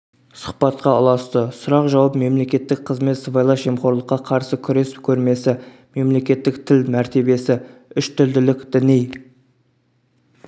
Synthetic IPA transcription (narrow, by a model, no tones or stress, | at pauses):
sʊ̥χpɑt̪qɑʊlˠɑst̪əsʊɾɑqʒɑwɑp̚me̞mle̞kʲe̞t̪ːɪk̚qʰəzme̞t̪səbɑjlˠɑʒemχo̞ɾlˠəqːɑqʰɑɾsəkʲʰʏɾe̞spkʲʰɵɾme̞sɪ | me̞mle̞kʲe̞t̪ːɪk̚t̪ʰɪlmæɾt̪e̞be̞sɪʏʃt̪ʰʏld̪ɪlɪkd̪̥ɪnij